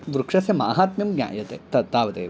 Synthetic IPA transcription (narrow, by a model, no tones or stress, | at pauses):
ʋɾukʂɐsjɐmaːɦaːt̪mjɐmɡɲʲa̰ːjɐt̪eːt̪ɐt̪aːʋɐt̪ḛː